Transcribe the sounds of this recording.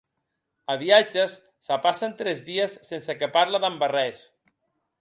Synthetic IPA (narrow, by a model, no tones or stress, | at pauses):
aβiad͡ʒesːapasant̪ɾɛzðiəsːensekepaɾlaðambarɛs